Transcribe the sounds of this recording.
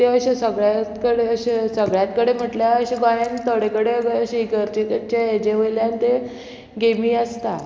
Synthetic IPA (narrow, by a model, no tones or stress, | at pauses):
t̪eəɕesəɡɭjat̪kəɽeəɕesəɡɭjat̪kəɽem̤əʈljaəɕeɡajant̪ʰəɽekəɽeɡəɕeiɡəɾt͡ɕet̪ət͡ɕajed͡ʑeʋəjljant̪e | ɡemiːəst̪a